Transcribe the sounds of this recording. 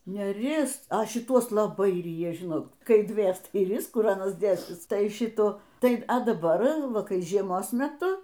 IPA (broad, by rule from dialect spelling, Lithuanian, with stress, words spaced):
nʲɛˈrʲɪs ɐ ʃʲɪˈtuɔs lˠɐˈbɐɪ ˈrʲiːjɛ ˈʒʲɪnoːt ˈkɐɪ ˈdʲʋʲeːs tɐɪ ˈrʲɪs ˈkʊr ˈɑːnɐs ˈdʲeːsʲɪs ˈtɐɪ ˈʃʲɪtuː ˈtɐɪ ɐ dɐˈbɐr ˈʋɐ ˈkɐɪ ʒʲiɛˈmoːs mʲɛˈtʊ